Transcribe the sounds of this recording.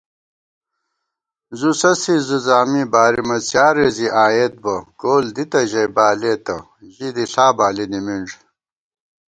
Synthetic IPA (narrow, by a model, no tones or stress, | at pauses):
zusɐsizuzaːmibaːɾimɐt͡sjaːɾeziʔaːjet̪̚bɐkoːld̪it̪ɐʑɐjbaːleːt̪ɐ | ʑid̪iɬaːbaːlinimiɳʐ